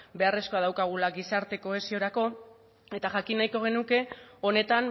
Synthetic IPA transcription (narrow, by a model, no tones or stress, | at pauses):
be̞are̞sko̞að̞awkaɣ̞ulaɣisaɾt̪e̞ko̞e̞sio̞ɾako̞ | e̞t̪aʝakinajko̞ɣ̞e̞nuke̞o̞ne̞t̪an